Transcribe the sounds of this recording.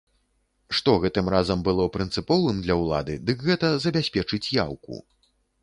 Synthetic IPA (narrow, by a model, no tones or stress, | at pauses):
ʂt̪ɔɣɛt̪ɨmɾazɐmbɨlˠɔpɾɨnt̪sɨpɔvɨmd̪lʲɐwlˠa̰d̪ɨ̰d̪ɨkɣɛt̪ɐzɐbʲasʲpʲɛt͡ʂɨt͡sʲja̰wkṵ